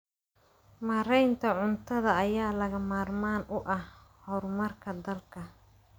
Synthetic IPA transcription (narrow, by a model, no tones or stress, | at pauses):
maːɾɛjnt̪ʰɐʕʊnt̪ʰɐðɐːjaːlɐɣɐmaːrmaːnʔʊʔɐhhɔrmɐrkʰɐd̪ɐlkʰɐ